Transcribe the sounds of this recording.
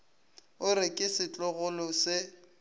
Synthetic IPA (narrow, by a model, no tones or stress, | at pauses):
ʊɾɪkʼɪsɪt͡ɬʼɔɣʊlʊsɪ